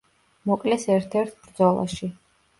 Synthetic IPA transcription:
mɔkʼlɛsɛɾt̪ʰɛɾt̪ʰbɾd̪zɔlˠa̰ʃi

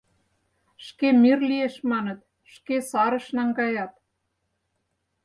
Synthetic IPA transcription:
ʃkemirlieʃmɑnɤ̆t̪̚ | ʃkesɑɾɤ̆ʃnɑŋɡɑjɑt̪̚

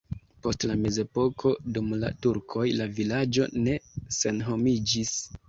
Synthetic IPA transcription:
po̞stlame̞ze̞po̞kʰo̞dumla̰tuɾkʰo̞jlavilad͡ʒo̞̰ne̞se̞nɦo̞mid͡ʒis

